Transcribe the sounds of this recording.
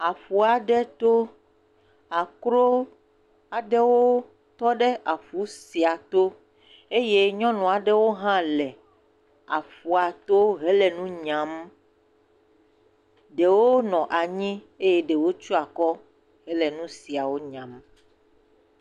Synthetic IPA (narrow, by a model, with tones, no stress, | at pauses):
a˨fu˨a˨ɖɛ˦t̪o˦ | a˨kɾo˦ | a˨ɖɛ˦wo˦ | t̪ɔ˦ɖɛ˦ʔa˨fu˨˦si˨a˨t̪o˦ | e˦je˦ɲɔ̃˦nɔ̃˨a˨ɖɛ˦wo˦ɦã˦lɛ˨ | a˨fu˨a˨t̪o˦ɦɛ˦lɛ˨nũ˦ɲã˨˦m | ɖe˨wo˦nɔ̃˨ʔa˨ɲĩ˦ | e˦je˦ɖe˨wo˦t͡ʃu˦a˨kɔ˦ | ɦɛ˦lɛ˨nũ˦si˨a˨wo˦ɲã˨m